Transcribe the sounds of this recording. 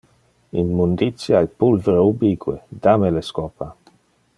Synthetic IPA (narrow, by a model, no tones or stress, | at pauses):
inmund̪it̪sjajpulveɾeubiɡwḛd̪ameleskɔpa